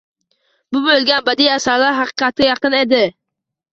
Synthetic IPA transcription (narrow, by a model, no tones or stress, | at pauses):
bʊbolˠɡʲanbad̪ijasaɾlaɾɦɑqɨ̥qʰɑt̪̚ʰɡʲajɑqɨned̪ɪ